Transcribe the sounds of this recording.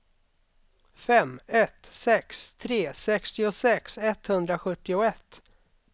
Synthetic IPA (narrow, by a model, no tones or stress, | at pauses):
fɛmːɛt̪sɛkst̪ʰɾeːsɛkst̪ɪʊsɛksɛt̪hɵnd̪ɾaɧɵt̪ːɪʊɛt̪ː